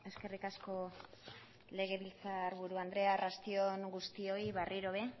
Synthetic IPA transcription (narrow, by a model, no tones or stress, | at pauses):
e̞ske̞rikasko̞ | le̞ɣ̞e̞βilt͡saɾβuɾuand̪ɾe̞arast̪io̞ŋɡust̪io̞iβarʔiɾo̞βe̞